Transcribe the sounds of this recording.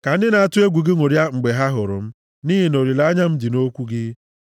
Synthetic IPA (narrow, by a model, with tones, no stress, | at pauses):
ka˨n̩˦dɪ˦na˨a˦tʊ˦e˦ɡʷu˨ɡɪ˦ŋʷo˨ɾja˦ŋ͡m̩˨ɡ͡be˨ɦa˦ɦʊ˨ɾʊ̰˨m̩˦ | niː˦ɦi˨no˨ɾi˨la˦a˦ɲa˦m̩˦di˨no˦kʷu˦ɡɪ˦